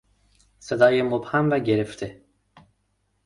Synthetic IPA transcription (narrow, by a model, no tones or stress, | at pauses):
sed̪ajɯmuphamvɛɟeɾift̪ʰɪ